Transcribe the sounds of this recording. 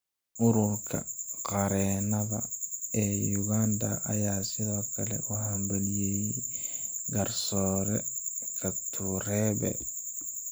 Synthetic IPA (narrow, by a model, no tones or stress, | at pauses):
ʔʊɾʊrkʰɐ̰qɑɾɛːnɐβɐ̰ɛːjjʊɣaːnd̪ɐʔɐjaːsɪðɔːkʰɐlɛ̰ʔʊhambɐlijɛj | ɡɐrsɔːɾɛ | kʰɐb̚t̪ʰuɾɛːbɛ̰